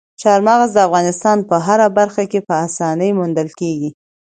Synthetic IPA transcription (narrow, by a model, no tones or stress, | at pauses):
ʃɑɾmɑɣazd̪əafɣɑnɪst̪ɑnpəɦaɾabaɾxakepəasɑnəjmund̪əlkeɡi